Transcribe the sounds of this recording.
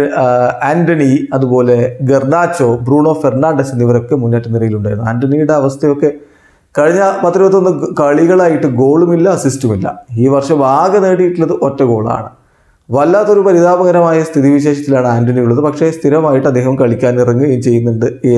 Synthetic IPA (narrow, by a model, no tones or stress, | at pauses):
aːndɐniɐðupo̞ːle̞ɡernaːt͡ɕːo̞ːbruːɳo̞ːfernaːɳɖesinːiʋɐɾo̞kːe̞muɲːaːʈːɨniɾɐjiluɳɖaːjɾunːuaːndɐnijuɽe̞ɐʋɐst̪ʰɐjo̞kːe̞ | kɐɻiɲːapɐt̪ːɾipɐt̪ːo̞nːɨkɐɭiɣɐɭaːjiʈːɨɡo̞ːɭumilːɐːsistɐmilːɐ̰iːʋɐrʂɐmbʱaːɡɐneːɽijiʈːilːɐðɨʔo̞tːɐɡo̞ːɭa̰ːɳɨ | ʋɐlːaːt̪ːo̞ɾupɐɾiðaːbɐɣɐɾɐmaːjɐst̪ʰiðiʋiɕe̞ːʂɐt̪ːilaːɳɨaːndɐnijuɭːɐðɨpɐkʂe̞st̪ʰiɾɐmaːjiʈːɨɐd̪ːeːɦɐmkɐɭikʲːaːnnirɐŋːɨmt͡ɕe̞jːunːuɳɖɨ